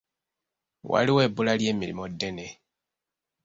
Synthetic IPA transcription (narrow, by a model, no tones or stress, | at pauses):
wa̰liwe̞ːbulaljeːmiɾḭmodːene